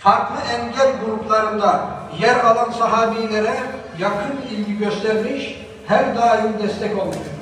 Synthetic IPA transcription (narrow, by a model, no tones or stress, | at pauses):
fɑɾqlˠɨɛŋɡʲɛɾɡuɾupʰlˠɑɾɯnd̪ɑjæɾɑlˠɑnsɑɦɑːbijlɪɾɛ | jɑqʰɯnilɡʲiɡʲøst̪ɛɾmɪʃ | hæɾd̪ɑːjimd̪ɛst̪ɛkʲbolˠd̪ɨ